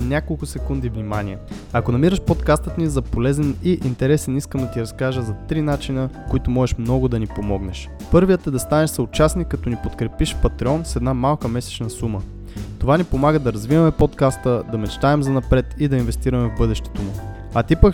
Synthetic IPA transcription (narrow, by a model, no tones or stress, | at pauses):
nʲakolˠkʊsɛkund̪ivnimaniɛ | ɐkonɐmiɾəʃpot̪kast̪ət̪nizɐpolɛzɛniʔint̪ɛɾɛsɛniskəmd̪ɐt̪iɾɐskaʒəzɐt̪ɾinat͡ʃinəkoit̪ʊmɔʒɛʃmnɔɡʊd̪ɐnipomɔɡnɛʃ | pɤɾvijət̪ɛd̪ɐst̪anɛʃsɐʊt͡ʃasnikːɐt̪ɔnipot̪kɾɛpiʃpɐt̪ɾiɔnsɛd̪namalˠkəmɛsɛ̥t͡ʃnɐsumə | t̪ovanipomaɡəd̪ɐɾɐzvivɐmɛpot̪kast̪əd̪ɐmɛt͡ʃt̪aɛmzɐnɐpɾɛt̪id̪ɐinvɛst̪iɾɐmɛvbɤd̪ɛʃt̪ɛ̥t̪omu | ɐt̪ipək